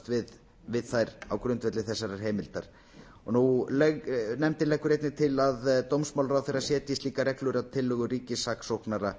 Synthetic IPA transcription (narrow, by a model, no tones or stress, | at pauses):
t̪vɪð | vɪðθajɾa̰wkɾʏnt̪vɛt̪lɪθɛsːaɾḁɦeːjmɪlt̪aɾ̥ | ɔnulnɛmt̪ɪlɛjkːʏɾejt̪nɪt̪ʰɪlaðt̪owmsmawlɾawθejɾasjɛːt̪jist̪liːkaɾɛklʏɾaðt̪ʰɪlːʏɣʏriːcɪsaksowhknaɾa